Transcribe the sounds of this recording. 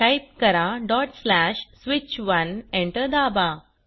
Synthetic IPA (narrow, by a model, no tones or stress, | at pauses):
ʈajp̚kəɾaɖɔʈslæɕsʋit͡ɕʋənẽɳʈəɾd̪aba